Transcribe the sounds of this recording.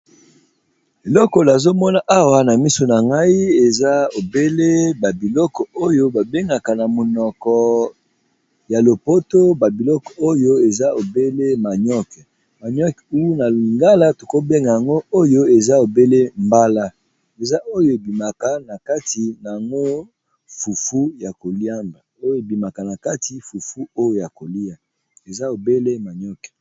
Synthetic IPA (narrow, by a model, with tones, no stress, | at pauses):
e˨lɔ˦kɔ˨la˨zo˦mɔ˦na˦ʔa˦wa˦na˨mi˦so˨na˨ŋɡa˦i˦e˨za˦o˨be˦le˦ba˨bi˨lɔ˦kɔ˨o˦jo˦ba˨be˦ŋɡa˨ka˨na˨mo˨nɔ˨kɔ˨ | ja˨lo˨po˦to˦ba˨bi˨lɔ˦kɔ̥˨o˦jo˦e˨za˦o˨be˦le˦ma˨ɲɔ˦k | ma˨ɲɔ˦ku˦u˦na˨li˨ŋɡa˦la˦to̥˨ko˦be˦ŋɡa˨ja˨ŋɡo˦o˦jo˦e˨za˦o˨be˦le˦mba˦la˦ | e˨za˦ʔo˦jo˦e˨bi˨ma˨ka˨na˨ka˦ti˨na˨a˨ŋɡo˦ | fu˨fu˦ja˨ko˨li˦a˦ŋda˨o˦jo˦e˨bi˨ma˨ka˨na˨ka˦ti˨fu˨fu˦o˦jo˨ja˨ko˨li˦a˨ | e˨za˦o˨be˦le˦ma˨ɲɔ˦kɛ̥˨